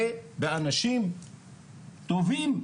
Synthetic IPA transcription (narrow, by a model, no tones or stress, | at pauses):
ebeanaʃim | t̪ovim